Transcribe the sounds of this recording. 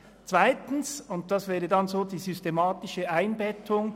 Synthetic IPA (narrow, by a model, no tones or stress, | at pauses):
t͡sv̥aɪtn̩sʊnt̚d̥ɑsvɛːʁədɑnzoːdiːzystemɑːtɪʃəaɪnbɛtʰʊŋ